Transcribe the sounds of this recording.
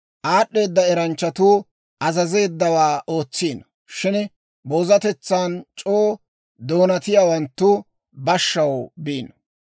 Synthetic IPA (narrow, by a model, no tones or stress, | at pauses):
ʔaːɗːe̞ːd̪ːɐɛɾɐnt͡ʃːɐt̪uː | ʔɐzɐze̞ːd̪ːɐwaːʔo̞ːt͡sːiːn | ʃɪn | boːzɐt̪ɛt͡sːaːnt͡ʃʼoː | d̪o̞ːnɐt̪ɪjaːwɐnt̪ːʊ | bɐʃːɐwbiːn